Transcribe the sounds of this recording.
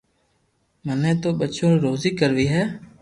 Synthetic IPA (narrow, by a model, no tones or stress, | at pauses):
mənẽːt̪oːɓət͡ʃõːɾoːziːkəɾʋiːɦɛː